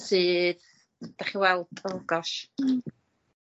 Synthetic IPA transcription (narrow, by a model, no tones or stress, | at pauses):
sɨː | d̥aχiwɛlˠdʼəlɡɔʃ